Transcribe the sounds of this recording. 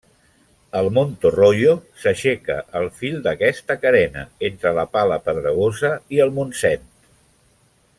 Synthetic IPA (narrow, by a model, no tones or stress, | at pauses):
əlˠmont̪oroʎosəʃɛkə̰ʔəlˠfilˠd̪əkɛst̪əkəɾɛnə̰ent̪ɾələpaləpəðɾəɣ̞ozəiəlˠmunsɛnt̪